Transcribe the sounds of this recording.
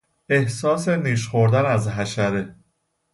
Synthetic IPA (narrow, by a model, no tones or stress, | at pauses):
e̞hsɒːse̞niːʃ̬xoɾd̪ænæzɦæʃæɾe